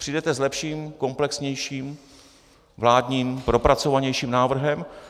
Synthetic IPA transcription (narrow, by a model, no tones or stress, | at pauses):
pr̝̥idɛt̪ɛzlɛpʃiːmko̞mplɛksɲɛjʃiːm | vlaːdɲiːmpɾo̞pɾat͡so̞vaɲɛjʃiːmnaːvr̩ɦɛm